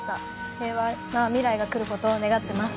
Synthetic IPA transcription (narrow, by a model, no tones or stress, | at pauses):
t̪a | he̞ːβamamʲiɾaiɡakɯ̟ɾɯ̟ko̞t̪o̞ːne̞ɡat̪ːe̞masɨ̥